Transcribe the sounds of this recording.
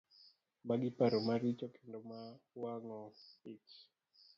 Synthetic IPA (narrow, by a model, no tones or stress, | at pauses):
maɡɪpaɾɔmaɾit͡ʃɔkendɔmawaŋɔit͡ʃ